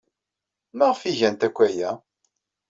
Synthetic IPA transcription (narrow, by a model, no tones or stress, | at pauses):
məʁfiʝænt̪ækʷːæjæ